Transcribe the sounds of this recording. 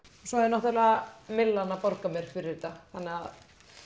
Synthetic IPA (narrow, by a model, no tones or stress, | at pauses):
sɔɛɾnɔht̪ʏlɛamɪlːanːapɔɾkamjɛɾ̥fɪɾɪɾt̪aθanːɪað